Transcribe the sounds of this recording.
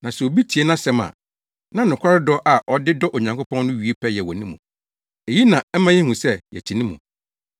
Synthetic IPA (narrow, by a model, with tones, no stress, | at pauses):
nã˨sɛ˨o˨bi˦tʰi˨e˦nã˦sɛ̃˦mã̰˨ | nã˦nʊ̃˨kʷʰa˦ɾɪ˦dɔ˦ʔa˨ʔɔ˨dɪ˦dɔ˦ʔo˨ɲã˨ŋkʰo˦pʰɔ̃˦nnʊ̃˦ɥi˨˦e˦pʰɛ˦jɛ˨wɔ˨nĩ˦mṵ̃˨ | e˨ji˦nã˨˦m̩˦mã˦jɛ˦hũ˨sɛ˦jɛ̰˨t͡ɕʰi˨nĩ˦mṵ̃˨